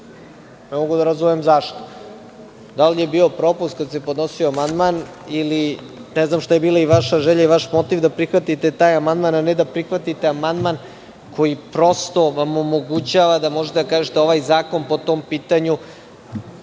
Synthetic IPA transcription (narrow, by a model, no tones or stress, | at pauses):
nemoɡud̪aɾazumemzaʃt̪o̥ | d̪alije̞biːo̞pɾo̞pust̪kad̪sepo̞d̪no̞sioamand̪manili | nɛznamʃt̪aje̞biːlaiʋaʃaʒeʎaiʋaʃmo̞t̪iʋd̪apɾixʋat̪it̪e̞t̪aːjamand̪mananed̪apɾixʋat̪it̪e̞amand̪man | kʰo̞jipɾo̞st̪o̞ʋamo̞moɡut͡ɕaːʋad̪amo̞ʒet̪eakaːʒet̪eo̞ʋajzaːko̞npo̞t̪o̞ːmpiːt̪aɲu